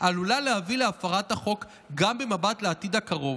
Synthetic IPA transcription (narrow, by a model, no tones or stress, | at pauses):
ʔalulalehavileafaʁathaχo̞k | ɡambemabatleatid̪akaʁo̞v